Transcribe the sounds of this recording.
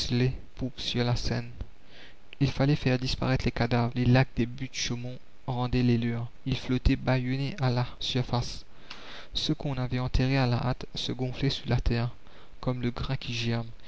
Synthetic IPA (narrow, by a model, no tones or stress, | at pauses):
slepupsyʁlasɛn | ilfalɛfɛʁd̪ispa̰ʁɛt̪χlekad̪avʁlelak̚d̪ebyd̪ʃomɔ̃ | ʁɑ̃d̪ɛlelyʁ | ilflot̪ɛbajɔneʔalasyʁfas | səkɔ̃navɛɑ̃t̪eʁeala̰ʔat̪səɡɔ̃flɛsyʁlat̪ɛʁ | kɔmləɡʁɛ̃kʲʰiʒɛʁm